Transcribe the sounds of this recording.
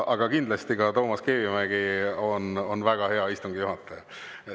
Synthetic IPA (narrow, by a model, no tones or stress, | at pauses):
ʔɑɡ̥ɑkind̪lɑst̪ikɑt̪o̞ːmɑske̞ːvimæɡ̥io̞no̞nvæɡ̥ɑhe̞ɑist̪uŋɡ̥ijuɦɑt̪ːˑe